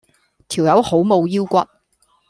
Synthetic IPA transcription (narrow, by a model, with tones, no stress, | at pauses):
t̪ʰi˨˩wjɐ˨˥who˨˥wmo˨˧wjiː˥wkʷɐ˨t̚